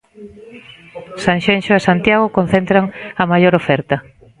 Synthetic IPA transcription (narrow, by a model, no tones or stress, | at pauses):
saŋʃenʃoesant̪jaɣokon̟θent̪ɾaŋɐmajoɾofɛɾt̪ɐ